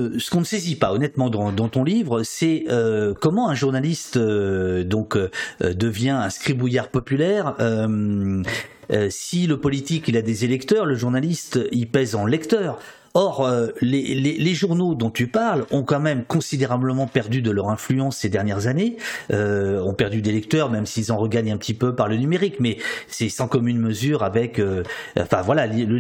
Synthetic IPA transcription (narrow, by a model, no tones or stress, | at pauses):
sə̥kɔ̃nəsezipaɔnɛt̪mɑ̃d̪ɑ̃d̪ɑ̃t̪ɔ̃livʁəsɛøkɔmɑ̃ɛ̃ʒuʁnalist̪ød̪ɔ̃kød̪əvjɛ̃ɛ̃skχibujaʁpɔpylɛʁøm | øsiləpɔlit̪ikilad̪ezelɛkt̪œʁləʒuʁnalist̪ipɛzɑ̃lɛkt̪œːʁ | ɔʁøleleleʒuʁnod̪ɔ̃t̪ypaʁlɔ̃kɑ̃mɛmkɔ̃sid̪eʁabləmɑ̃pɛʁd̪yd̪əlœʁɛ̃flyɑ̃sːed̪ɛʁnjɛʁzaneøɔ̃pɛʁd̪yd̪elɛkt̪œʁmɛmsiːlzɑ̃ʁəɡaɲɛ̃pət̪ipøpaʁlənymeʁikmɛsɛsɑ̃kɔmynməzyʁavɛkøɑ̰̃fɛ̃vwalallə